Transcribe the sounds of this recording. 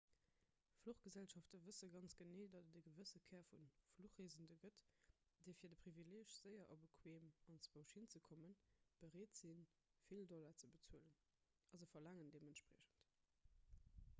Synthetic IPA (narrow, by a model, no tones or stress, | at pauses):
fluχɡ̥əzælʃɑftɐvəsəɡɑnt͡sɡ̥əneːʊdɑtətdəɡəvəsəkʰɛːɐfunfluχeːzəndəɡət | d̥eɪfiːɐdəpʁ̥ivileːʃz̥əɪɐʔɑbəkʰweːmɑnt͡sb̥əʊʃhint͡səkʰɔmənb̥əʁeːtz̥in | fildɔlɐt͡səbət͡suələn | ʔɑzəfɐlæŋəndeːməntʃpʁɛɕən̩t